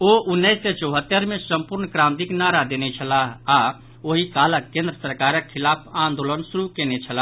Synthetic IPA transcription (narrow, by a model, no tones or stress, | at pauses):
oʔunːəɪsːet͡ʃəʊɦət̪ːəɾmesəmpuɾnkɾamd̪iknaɾad̪enɛt͡ʃʰəlaɦa | oɦikaləkːẽnd̪ɾəsəɾkaɾəkʰːilapʰãnd̪olənsuɾukenɛt͡ʃʰəla